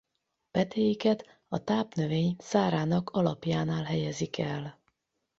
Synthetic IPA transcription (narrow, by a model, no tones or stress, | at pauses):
pɛt̪ʰeːjikɛt̪ | ɒt̪aːpnø̞veːɲsaːɾaːnɒkʰɒlɒpjaːnaːlɦɛjɛzikʰɛl